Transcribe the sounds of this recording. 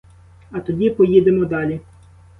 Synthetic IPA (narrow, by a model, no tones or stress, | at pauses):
ɐt̪ɔdʲipɔjid̪emɔd̪ɑlʲi